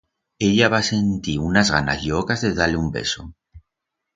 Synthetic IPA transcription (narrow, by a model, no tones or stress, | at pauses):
e̞ʎaβase̞nt̪iunazɣana̰zʝokazðeðaleumbe̞̰so